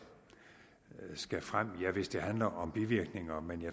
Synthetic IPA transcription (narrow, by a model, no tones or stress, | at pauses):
sɡ̥æfʁam̰jɑ̈ɪʋe̝sd̥e̝ɦænlɐʔɒ̽mb̥iʋiɐɡ̥ne̝ŋɐmenjɑ